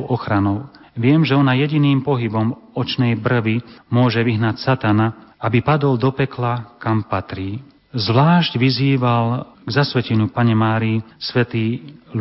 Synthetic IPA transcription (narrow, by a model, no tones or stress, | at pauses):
ɔxɾanɔʊ | ʋɪɛmʒɛɔnajɛɟiniːmpɔɦibɔmɔt͡ʃnɛjbr̩ʋimʊɔʒɛʋiɦnacsat̪anaabipad̪ɔld̪ɔpɛklakampat̪ɾiː | zʋlaːʃɟʋiziːʋalɡzasʋɛcɛɲɪupaɲɛmaːɾiisʋɛt̪iː